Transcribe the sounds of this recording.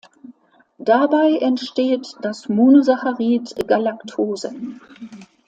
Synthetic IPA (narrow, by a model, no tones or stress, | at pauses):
d̥abaɪʔɛntʃteːtd̥asmuːnuzaxaʁiːtɡ̥alaktʰoːzə